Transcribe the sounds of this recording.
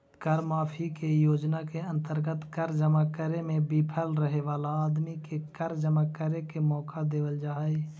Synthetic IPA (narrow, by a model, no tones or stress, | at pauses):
kəɾmaːpʰikejoːd͡ʒnakeə̃nt̪əɾɡət̪kəɾd͡ʒəmakəɾemẽbipʰəlɾəɦeʋaːlaːd̪mikekəɾd͡ʒəmakəɾekemɔːkad̪eːʋəld͡ʒaːe